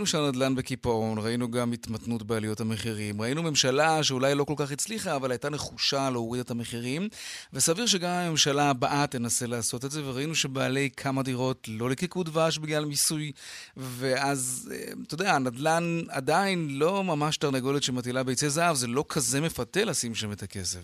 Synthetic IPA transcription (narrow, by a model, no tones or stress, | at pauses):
inuʃeanad̪lanbe̞kipao̞nʁainuɡamit̪matnutbealijo̞thame̞χiʁimʁainume̞mʃalaʃe̞ulajlo̞ko̞lkaχit͡sliχaːvalhajtane̞χuʃaleowid̪atameχiʁimvesaviʁʃ̬e̞ɡamhame̞mʃalabaʔatːenaselaːso̞tetze̞ve̞ʁainuʃe̞baːle̞jkʰamadiʁo̞tlo̞likikudvaʃ̬biɡlalmisuj | ve̞ʔazḛt̪odeanad̪lana̰dainlo̞mamaʃtaʁneɡo̞litʃemat̬ilabejt͡sezaavzelo̞kʰaze̞me̞fatelasimʃametake̞se̞v